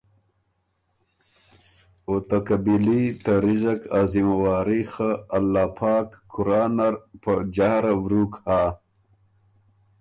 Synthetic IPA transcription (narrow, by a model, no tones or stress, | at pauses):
ot̪akabilit̪aɾizɐkazimawaːɾixaːlːaːpʰaːkːuɾaːnaɾpəd͡ʒahɾawɾuːkhaː